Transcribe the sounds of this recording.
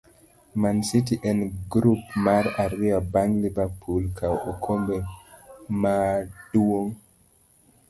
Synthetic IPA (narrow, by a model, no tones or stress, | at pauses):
mãnsitiʔɛ̃nɡɾupmaɾaɾiabaŋlivapʰulkʰawokʰombe | mad̥uoŋ